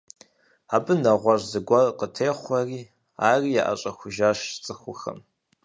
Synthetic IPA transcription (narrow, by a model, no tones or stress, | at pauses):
abɨnaʁʷarzɨɡʷarqʼətʰeːχʷariː | aːrija̰ʔa̰t͡ʃʼɐxʷʊʒaʃt͡sʼɨxʷʊxɐ̰m